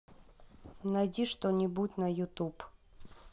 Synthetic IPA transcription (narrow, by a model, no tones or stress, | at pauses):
nɐjdʲiʂt̪onʲɪbutʲnɐjʊt̪up